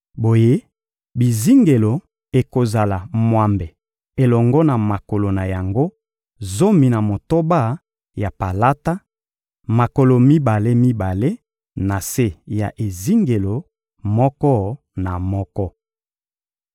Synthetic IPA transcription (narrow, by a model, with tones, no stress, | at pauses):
bo˨je˦ | bi˨zi˦ŋɡe˨lo˨ | e˨ko˨za˨la˨mwa˦mbe˨ | e˨lɔ˨ŋɡɔ˦na˨ma˨ko˨lo˨na˨ja˨ŋɡo˦ | zo˦mi˨na˨mo˨to˦ba˦˨ | ja˨pa˨la˦ta˦ | ma˨ko˨lo˨mi˦ba˨le˦mi˦ba˨le˦ | na˨se˦ja˨ʔe˨zi˦ŋɡe˨lo˨ | mɔ˦kɔ˦ | na˨mɔ˦kɔ˦